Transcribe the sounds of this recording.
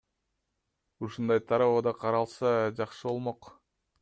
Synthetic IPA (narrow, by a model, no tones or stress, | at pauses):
uʃund̪ɑjt̪ʰɑɾɑβod̪ɑqʰɑɾɑlˠsɑd͡ʒɑqʃɯbo̞lˠmoq